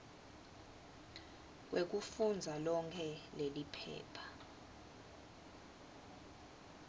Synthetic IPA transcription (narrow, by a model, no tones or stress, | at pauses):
k̬wʔek̬ufund͡zʱalɔŋkʰɛlelipʰɛ̰ːpʰḁ